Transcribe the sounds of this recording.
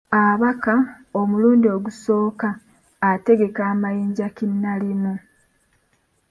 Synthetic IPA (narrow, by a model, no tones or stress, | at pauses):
aβaka | o̞muluːndio̞ɡuso̞ːkaː | te̞ɡe̞kaːmajiːɲɟakinːalimu